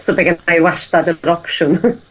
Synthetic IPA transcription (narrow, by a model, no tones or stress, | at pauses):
sobɛɡənajwaʃtadəɾɔkʃʊn